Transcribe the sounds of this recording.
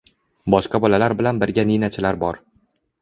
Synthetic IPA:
bɒʃqɑbɒlalaɾbɪlanbɪɾɡʲaninat͡ʃʰɪlaɾbɒɾ

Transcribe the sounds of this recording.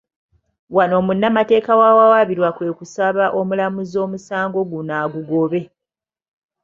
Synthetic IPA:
wano̞ːmunːamate̞ːkawawawaβiɾwakwe̞ːkusaβaʔomulamuzo̞ːmusaːŋɡo̞ɡunaːɡuɡo̞βe̞

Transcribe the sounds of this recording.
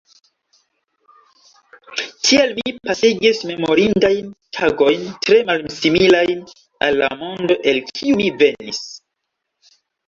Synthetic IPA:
tʰielmipasiɡisme̞mo̞ɾindajntʰaɡo̞jntɾe̞malsimilajn | a̰lːa̰mo̞ndo̞ʔe̞lkʰiumive̞nḭs

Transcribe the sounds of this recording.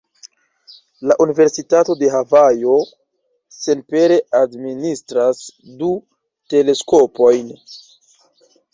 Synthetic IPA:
laʔunive̞ɾsitato̞de̞ɦavajo̞ | se̞npe̞ɾe̞ʔadministɾasdu | te̞le̞sko̞po̞jn

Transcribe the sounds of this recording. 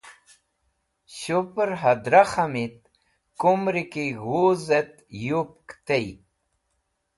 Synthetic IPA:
ɕupɾɦad̪ɾaxamit̪̚ | kumɾikiɣuzet̪jup̚kt̪ej

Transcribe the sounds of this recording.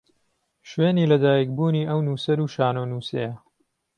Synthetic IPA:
ʃweːniːlɐd̪aːjik̚buːniːʔɐwnuːsɐɾuːʃaːnoːnuːsḛjɐ

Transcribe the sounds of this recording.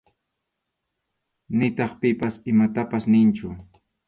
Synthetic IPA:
nɪt̪ɑχpɪpasɪmat̪apasnɪnt͡ʃʊ

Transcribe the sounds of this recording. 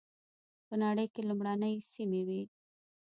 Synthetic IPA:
pənaɽəjkelumɽanəjsimewi

